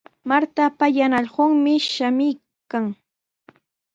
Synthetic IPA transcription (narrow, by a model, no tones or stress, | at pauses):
maɾt̪apajanaʎɢoŋmɪʃamɪj | kaŋ